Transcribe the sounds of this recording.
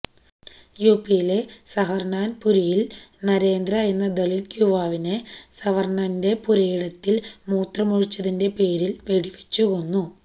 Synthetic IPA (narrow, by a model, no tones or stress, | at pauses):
juːpːijile̞sɐɦɐrnaːnpuɾijilnɐɾe̞ːnd̪rɐe̞nːɐd̪elilkʲjuʋaːʋinesɐʋɐrɳaːnde̞puɾɐjiɽɐt̪ːilmuːt̪rɐmoɻit͡ɕːɐðinde̞pe̞ːɾilʋe̞ɽiʋet͡ɕːuɣo̞nːu